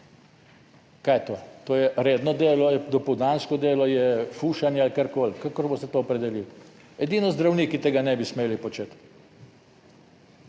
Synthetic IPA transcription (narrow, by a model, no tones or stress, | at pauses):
kajt̪oːt̪oːjɛɾed̪nɔd̪eːlɔjɛd̪ɔpɔwd̪aːnskɔd̪eːlɔjɛfuːʃanjɛalkeɾkoːlkakɔɾbost̪ɛt̪oːɔpɾɛd̪ɛlil | ɛd̪inɔzd̪ɾawniːkit̪eːɡanɛbismeːlipɔt͡ʃet̪